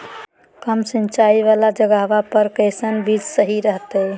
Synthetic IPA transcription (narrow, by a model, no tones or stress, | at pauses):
kəmsənt͡ʃaiβalad͡ʒəɡaɦbapəɾkəɪsənbid͡ʒsəɦiɾəɦt̪əj